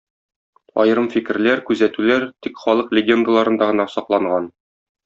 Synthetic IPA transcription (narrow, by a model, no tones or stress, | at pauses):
ɒ̰jɤɾɤmfikɘ̆ɾlæɾkʉzæt̪ʉlæɾt̪ikχɒlˠɤqlʲɪɡʲend̪alˠɑɾɤ̆nd̪ɑʁɤ̆nɑsɒqlˠɑɴɢɑn